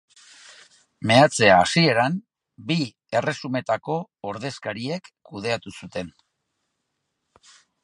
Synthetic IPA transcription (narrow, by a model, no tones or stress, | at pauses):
me̞at͡se̞aːsie̞ɾam | bi | e̞re̞sume̞t̪ako̞ːɾðe̞skaɾie̞kː | uð̞e̞at̪usut̪e̞n